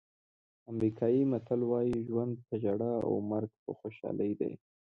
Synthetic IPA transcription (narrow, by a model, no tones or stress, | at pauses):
amɾikʰɑjimat̪alwɑjiʒwand̪̚p̪ad͡ʒaɽaa̰wmaɾɡpə̰xoʃɑ̰ləjd̪a̰j